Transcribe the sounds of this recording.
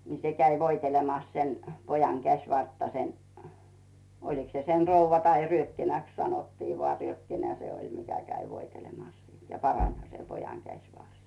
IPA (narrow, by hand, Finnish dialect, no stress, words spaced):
ni se kæi ʋoitelemɑs sen pojɑŋ kæsˑʋɑrtːɑ sen oliks se sen̞ rouʋːɑ tɑi ryøkːinæks sɑnotːiː ʋoɑˑ ryøkːinæ se olʲ mikæ kæi ʋoitelemɑs siːn jɑ pɑrɑnˑhɑ se pojɑŋ kæsʲʋɑrs